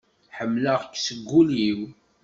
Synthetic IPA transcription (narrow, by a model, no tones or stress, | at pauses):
ħəmːləʁkːsəɡːuliw